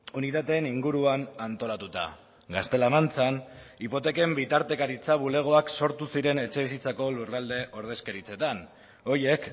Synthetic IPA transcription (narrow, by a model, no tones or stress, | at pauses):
unit̪at̪e̞ːniŋɡuɾuanant̪o̞lat̪ut̪a̰ | ɡast̪e̞lamant͡sanipo̞t̪e̞ke̞mbit̪aɾt̪e̞kaɾit͡saβule̞ɣ̞o̞akso̞ɾt̪usiɾe̞ne̞t͡ʃe̞βisit͡sako̞lurald̪e̞ʔo̞ɾð̞e̞ske̞ɾit͡se̞t̪an | o̞je̞k